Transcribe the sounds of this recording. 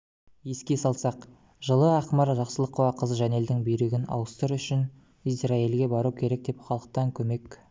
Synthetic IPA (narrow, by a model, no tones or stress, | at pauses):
je̞skʲe̞sɑlˠsɑq | ʒəlˠəɑqmɑɾʒɑqsəlˠəqʰːuwɑqʰəzʒæne̞ld̪ɪŋbejɾeɡʲɪnɑ̰wəst̪əɾʏʃɪn | isrɑilɡʲe̞bɑɾukʲʰe̞ɾe̞k̚d̪e̞pχɑlˠəq̚t̪ɑŋkʲʰɵme̞k